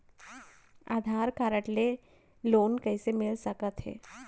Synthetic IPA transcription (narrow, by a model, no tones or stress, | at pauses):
a̰ːd̪ʱaːɾkaːɾəʈle | loːnkɐisemɪlsəkət̪ɦɛ̰ː